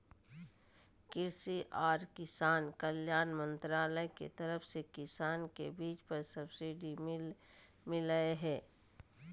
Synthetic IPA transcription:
kɪɾsiʔaːɾkɪsaːnkəljaːnmə̃nt̪ɾaːləekḛt̪ɐɾəfsekɪsaːnkebiːt͡ʃpəɾsəbsiɖi | mɪləeɦɛː

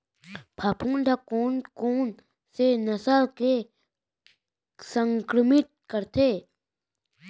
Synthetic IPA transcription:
pʰapʰuːnɖ̪ʱakoːnkoːn | senəsəlke | sə̃ŋkɾəmɪt̪̚kəɾt̪ʰeː

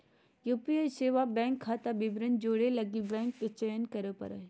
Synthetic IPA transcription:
juːpiajseːʋabɛ̃ːŋkʰːaːt̪abɪbɾənd͡ʒoːɽelɐɡibɛ̃ːŋkket͡ʃejənkɐɾəpɐ̰ɾə̰

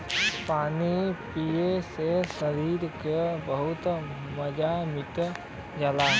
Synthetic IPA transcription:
paːnipiesesəɾiːɾkebəɦʊt̪ | məd͡ʒamɪt̪ | d͡ʒalaː

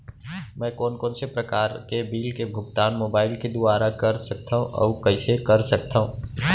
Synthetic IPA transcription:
mɛ̃ːkɔːnkɔːnsepɾəkaːɾkebiːlkebʱʊɡt̪aːnmoːbaːɪlked̪ʊaːɾakəɾsək̚t̪ʰaːɦũʔɔ̰ːukəɪsekəɾsək̚t̪ʰaːɦũ

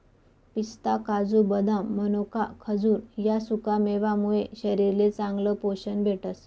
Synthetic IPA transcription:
pist̪akad͡zubəd̪ʱamːənokakʰəd͡zuːɾjasukameʋamuɭeɕəɾiɾlet͡sãŋɡləpoɕənbʱeʈəs

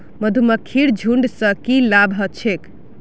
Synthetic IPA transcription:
məd̪ʱuməkʰːiɽd͡ʒʱuɳɖsə̃kilabʱɦət͡ʃʰek

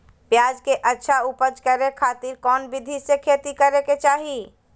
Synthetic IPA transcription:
pjaːd͡ʒkeʔətːʃʰaupəd͡ʒkəɾekʰaːt̪iɾkɔːnbɪd̪ʱisekʰeːt̪ikəɾeket͡ʃaːɦi

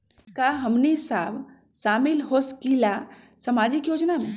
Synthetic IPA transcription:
kaɦɐmnisaːb | saːmɪlɦoskila | sɐmaːd͡ʒɪkjoːd͡ʒnamẽ

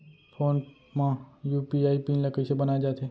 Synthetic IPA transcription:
pʰoːn | mãjuːpiaːipinlɐkəsebɐnaːed͡ʒaːt̪ɦɛ

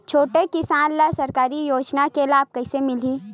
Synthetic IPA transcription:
t͡ʃʰoːʈekɪsaːnləsɐɾkaːɾijoːd͡ʒnakelaːb̚kɐɪsemɪliː

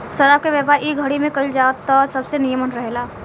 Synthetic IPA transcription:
səɾaːb̚keʋɛpaːɾʔiɡʱəɽimẽkəld͡ʒaːt̪ːɔːsɐbsenijəmənɾəɦelaː

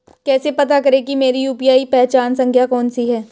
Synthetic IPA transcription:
kɛːsepɐt̪akɐɾẽkimeːɾijuːpijaːipɛɦt͡ʃaːnsɐ̃ŋkʰjakɔːnsiɦɛː

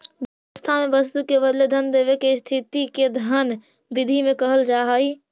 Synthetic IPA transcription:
bjəʋəst̪ʰamẽbəst̪ukeβəd̪led̪ʱənd̪eːβekest̪ʰit̪iked̪ʱən | bɪd̪ʱimẽkəɦəld͡ʒaːɦəi

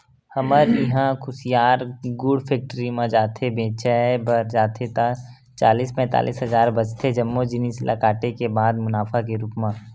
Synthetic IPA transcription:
həməɾɪɦãkʰʊsijaːɾɡʊɖpʰeːk̚ʈəɾimãd͡ʒaːt̪ʰebẽːt͡ʃʰɛbəɾd͡ʒaːt̪ʰet̪a | t͡ʃaːliːspɛ̃ːt̪a̰ːlʔḭːsɦɐzaːɾbɐd͡ʒt̪ʰed͡ʒɐmːod͡ʒɪnisla̰kaːʈekebaːd̪mʊnaːfʰakeɾupmã

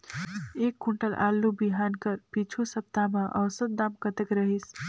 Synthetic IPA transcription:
ekːuɳʈəlʔa̰lːubiɦankəɾpit͡ʃʰusəp̚t̪ameʔəwsəd̪̚d̪amkət̪ekɾəɦis

